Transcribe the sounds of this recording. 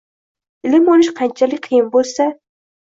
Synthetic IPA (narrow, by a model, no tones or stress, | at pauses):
ɪlɪmɒnɪʃqʰɑnt͡ʃʰalɪk̚ʲqʰɨjɪmbolˠsa